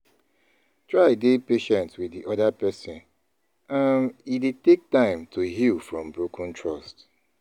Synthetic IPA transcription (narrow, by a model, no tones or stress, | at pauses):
tɹaɪdepeʃɛ̃ntswɪdiʔɔdapɛsɔ̃n | ãmidetek̚tãɪ̃mtʰuɦilfɹɔ̃mbɹokʰɔ̃ntʰɹɔst